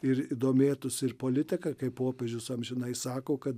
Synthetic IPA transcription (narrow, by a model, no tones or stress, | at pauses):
ɪɾid̪oːmʲeːt̪ʊsɪrpoːlʲɪt̪ʲɪkɐkɐɪppoːpʲeːʒʲʊsɐmʒʲɪnɐɪsɑːkoːkɐt̪